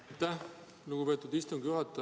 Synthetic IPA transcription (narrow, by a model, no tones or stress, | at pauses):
t̪ːæh | luɡ̥upe̞ːt̪ːˑud̪ist̪uŋɡ̥juɦɑt̪ːˑɑ